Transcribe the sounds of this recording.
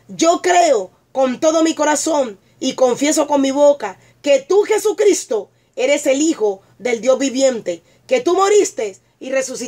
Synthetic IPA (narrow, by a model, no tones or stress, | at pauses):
d͡ʒo̞kɾe̞o | ko̞nt̪o̞ðo̞miko̞ɾaso̞n | iko̞ɱfje̞s̬o̞ko̞nmiβo̞ka | ke̞t̪uxe̞sukɾist̪o̞ | e̞ɾe̞se̞lixo̞ | ðe̞ld̪jo̞zβiβje̞nt̪e̞ | ke̞t̪umoɾist̪e̞s | ire̞susi